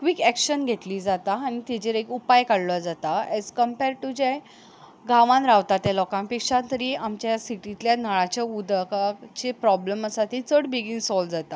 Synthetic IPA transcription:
kʋikɛkɕənɡʱet̪liːd͡zat̪aːñit̪id͡ʑeɾekupajkaɽlɔd͡zat̪aɛzkəmpeɾʈud͡ʑe | ɡaʋãnɾaʋt̪at̪jelɔkãmpikʂat̪əɾiːamt͡ɕjasiʈit̪ljanəɭat͡ɕaud̪kat͡ɕepɾɔbləməsat̪ʰiːt͡səɽbiɡinsɔld͡zat̪a

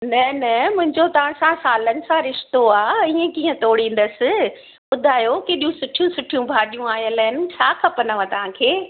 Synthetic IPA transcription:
nɐnɐmʊ̃ɦɪ̃ɲd͡ʑot̪ɐʋ̤ãsãsaːlənɪ̆sãɾɪʃt̪oaːiːə̃kiːə̃t̪oːɽĩːn̆d̪əsɪ̆ | ɓʊd̪ʱaːjokeːɗijũsʊʈʰijũsʊʈʰijũbʱaːɗijũaːɦijə̃laːɪnɪ̆t͡ɕʰaːkʰɐpɐnəʋãt̪ɐʋ̤ãːkʰeː

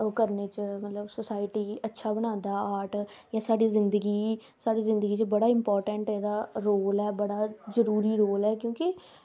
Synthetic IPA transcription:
oːkəɾnet͡ʃmət̪ləbsʊsaːɪʈiːətːʃʰaːbənãːnd̪aːaːʈjãːsaːɽiːzɪ̃nd̪əɡiː | saːɽiːzɪ̃nd̪əɡiːt͡ʃəbəɽaːɪ̃mpɔːɾʈəɳʈɦɛːd̪aːɾoːlɛːbəɽaːzəɾuːɾiːɾoːlɦɛːkjõːkɪ

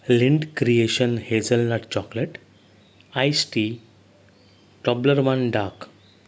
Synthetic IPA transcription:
liɳɖkɾieʃənhed͡zəlnaʈt͡ɕɔkleʈ | ajsʈi | ʈɔbləɾʋanɖak

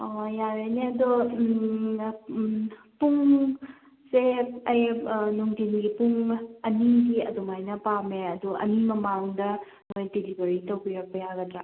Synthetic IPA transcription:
ojaɾeneɐdu | puŋ | seɐjnuŋtinɡipuŋɐniɡiɐdumajnɐpameɐduʔɐ̰nimɐmaŋdɐ | mojtelibɐɾitɐwbiɾɐk̚pɐjaɡɐtɾa

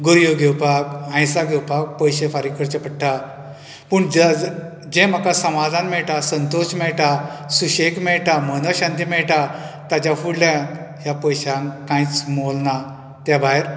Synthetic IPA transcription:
ɡoɾjoɡʱewpakãjsaɡʱewpak̚pəjɕefaɾikəɾt͡ɕepəʈʰːa | puɳd͡ʑ | d͡ʑem̤akasəmad̪ʱanmɛɭʈasənt̪oɕmɛɭʈasuɕekmɛɭʈamənoɕãnt̪imɛɭʈat̪at͡ɕafuɽljã | japəjɕãkãjt͡smolna | t̪jabaeɾ

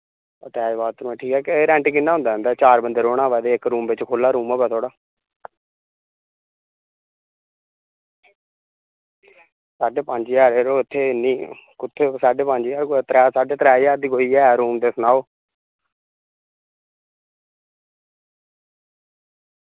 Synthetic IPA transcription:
ə̰t̪eɛːd͡ʒbaːt̪ːnũːɛ̃ːʈʰiːkɛːkeɾɛ̃ːɳʈikɪnːaːʊ̃nd̪aːɦə̃nd̪aːt͡ʃaːɾbənd̪eːɾoːɽ̃aːʋɛːd̪eːɪkɾuːmbɪt͡ʃkʰoːlːaːɾuːmɛːpɛːt̪ʰoːɽaː | saːɖeːpəɲd͡ʒjaːɾeːɾoːɪt̪ʰːeːɪniːkʊt̪ʰːesaːɖeːpəɲd͡ʒjaːɾkot̪ɾaːsaːɖeːt̪əɾaːijaːɾd̪iːkoːiːɛːɾuːmd̪eːsənaːoː

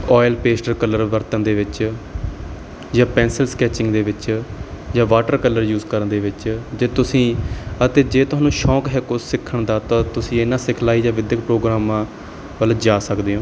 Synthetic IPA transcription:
ɔːɪlpeːsʈəɾkələɾʋəɾt̪ənd̪eːʋɪt͡ʃ | d͡ʒãːpɛ̃ːnsəlskɛːt͡ʃɪ̃ŋɡd̪eːʋɪt͡ʃjãːʋaːʈəɾkələɾjuːzkəɾənd̪eːʋɪt͡ʃd͡ʒeːt̪ʊsĩːət̪eːd͡ʒeːt̪ʊɦaːnːũːʃɔːkɦɛːkʊsːɪkʰːəɳd̪aːt̪ãːt̪ʊsĩːɪnːãːsɪkʰlaːiːd͡ʒãːʋɪd̪jəkpɾoːɡɾaːmãː | ʋəld͡ʒaːsəkd̪eːɦõː

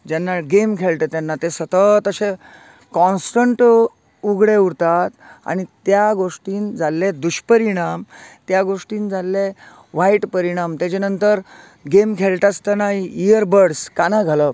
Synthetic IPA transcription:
d͡ʑanːaɡemkʰeɭʈ̪ət̪janːat̪esət̪ət̪əɕe | kɔnsʈəɳʈ | uɡɽeuɾt̪at̪a̰ñit̪jaɡoʂʈiːnd͡zalːed̪uɕpəɾiɽ̃amt̪jaɡoʂʈiːnd͡zalːe | ʋaiʈpəɾiɽ̃amt̪jat͡ɕenənt̪əɾ | ɡemkʰeɭʈast̪ənaɦiijəɾbəɽskanaɡʱalə

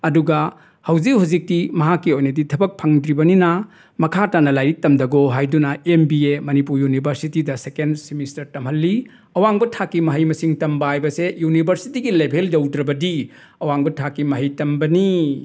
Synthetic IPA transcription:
ɐduɡɐ | hɐwd͡ʒikhuzik̚timɐɦakːiojnɐditʰɐbɐk̚pʰaŋdɾibɐninɐ | mɐkʰatanɐlajɾitɐmdɐɡoɦajdunɐembiemɐnipuɾjunibʱɐɾsitidɐsekensimistɐɾtɐmɦɐlːi | ɐwaŋbɐtʰakːimɐɦɐjmɐsiŋtɐmbaajbɐsejunibʱɐɾsitiɡilebʱeldɐwdɾɐbɐdi | ɐwaŋbɐtʰakːimɐɦɐjtɐmbɐni

